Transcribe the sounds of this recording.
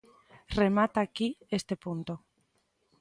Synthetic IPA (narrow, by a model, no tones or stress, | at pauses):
remat̪akiest̪epunt̪o